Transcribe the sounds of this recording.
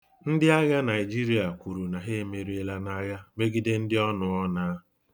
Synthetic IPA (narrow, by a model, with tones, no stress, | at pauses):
n̩˦dɪ˦a˦ɣa˦na˨ɪ˨d͡ʒi˦ɾi˨a˨kʷu˨ɾu˨na˨ɦe˦me˨ɾe˦la˦na˦ɣa˦me˦ɡi˦de˦n̩˦dɪ˦ɔ˦nʊ˨ɔ˦naː˦